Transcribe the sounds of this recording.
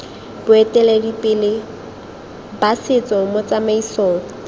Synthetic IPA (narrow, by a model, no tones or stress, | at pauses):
bʊɛtʼɛlɛdipʼɪlɪ | basɪt͡sɔmʊt͡samaisoːŋ̩